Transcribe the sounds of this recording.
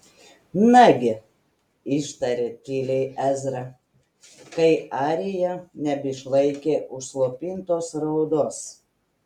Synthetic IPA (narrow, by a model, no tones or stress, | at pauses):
nɑɡʲɪ | ɪʃt̪ɐɾʲeːt̪ʲiːlʲɛɪʔæzʲɾɐ | kɐɪʔɑːɾʲɪjɛnʲɛbʲɪʃlˠɐɪkʲeːʔʊʃslˠoːpʲiːnt̪oːsɾɐʊd̪oːs